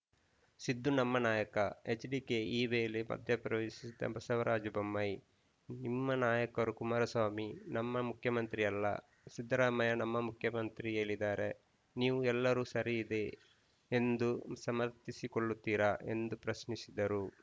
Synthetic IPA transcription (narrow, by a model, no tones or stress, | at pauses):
sid̪ʱːunɐmːɐnaːjɐkɐet͡ʃɖiːkeiːʋeːlemɐ̰d̪ʱjɐpɾɐʋeːsisid̪ɐ̰bɐsɐʋɐɾʔaːd͡ʒubɐmːɐj | nimːɐnaːjɐkɐɾukumaːɾɐsʋaːminɐmːɐmukʰjɐmɐnt̪ɾiɐlːɐ̰ | sid̪ːɾaːmɐjɐnɐmːɐmukʰjɐmɐnt̪ɾieːlːid̪aːɾe | niːʋuɛlːɐɾuːsɐɾiːd̪e̞ | end̪usɐmɐɾt̪isikoɭːut̪ːiːɾaʔe̞̰nd̪upɾɐsnisid̪ɐɾu